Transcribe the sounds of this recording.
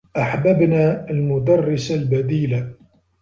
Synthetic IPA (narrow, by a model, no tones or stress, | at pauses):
ʔaħbabnaːalmʊd̪ɑrˤːɪsalbad̪iːla